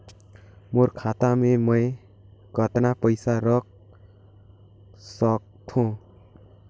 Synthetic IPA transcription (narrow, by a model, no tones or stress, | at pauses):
moɾkʰat̪amemʌj | ɡʱʌt̪napʌjsaɾʌk̚ | sʌk̚t̪ʰũ